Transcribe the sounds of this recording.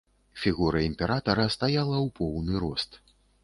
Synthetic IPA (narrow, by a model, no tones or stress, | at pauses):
fʲiɣuɾɐimʲpʲɛɾat̪ɐɾɐst̪ajalˠɐwpʰɔwnɨɾɔst̪